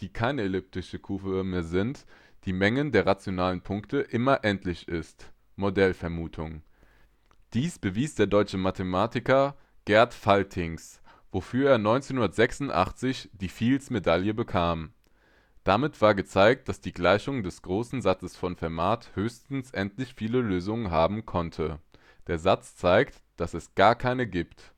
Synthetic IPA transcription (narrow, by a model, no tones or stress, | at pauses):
d̥iːkʰaɪnəelʏp̚tɪʃəkʰuːvəmeːɐzɪnt | d̥iːmɛŋəndeːɐʁat͡sjonaːlənpʰʊŋktʰəʔɪmɐʔɛntʰlɪçɪst | modɛlfɛɐmuːtʰʊŋ | d̥iːsb̥əviːsd̥eːɐdɔʏt͡ʃəmatʰemaːtɪkɐ | ɡ̥ɛɐtfaltʰɪŋs | v̥ofyːɐeːɐnɔʏnt͡senhʊndɐtz̥ɛksʊntʔa̰χt͡sɪçd̥iːfiːlsmedaljəbəkʰaːm | d̥amɪtv̥aːɐɡət͡saɪk̚t̚d̥asd̥iːɡlaɪçʊŋdɛsɡ̥ʁoːsn̩zat͡səsfɔnfɛɐmaːthøːçstn̩sʔɛntlɪçfiːləløːzʊŋənɦaːbm̩kʰɔntʰə | d̥eːɐzat͡st͡saɪkt | d̥asɛsɡ̥aːɐkʰaɪnəɡiːpt